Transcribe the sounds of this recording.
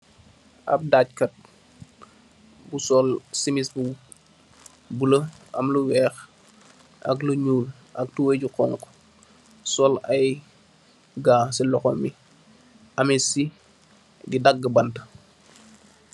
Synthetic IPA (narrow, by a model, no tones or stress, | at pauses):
ʔɐ̰p̚daːc̚kɐt̚ | busɔlsimisbu | buləʔɐ̰mluwɛːx | ʔɐ̰kluɲuːl | ʔɐk̚tuweɟuqɔŋkɔ̥ | sɔlɐj | ɡaːsilɔxɔmi | ʔɐmisi | ɡidɐɡːəbɐntə̥